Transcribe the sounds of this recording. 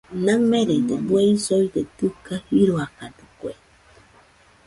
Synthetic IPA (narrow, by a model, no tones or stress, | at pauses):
naŋmeɾed̪ebweisoid̪et̪ɨkahiɾuakad̪ɨ̥kwḛ